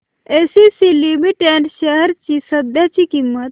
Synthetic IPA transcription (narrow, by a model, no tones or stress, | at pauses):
esisilimiʈeɳɖʃəɦəɾt͡ʃisəd̪jat͡ɕikimːət̪